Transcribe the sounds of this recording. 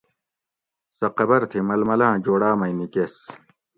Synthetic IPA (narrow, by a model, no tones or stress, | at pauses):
sɐqɐbɐɾt̪ʰimɐlmɐlãːd͡ʑoːɽaːmɐjnikes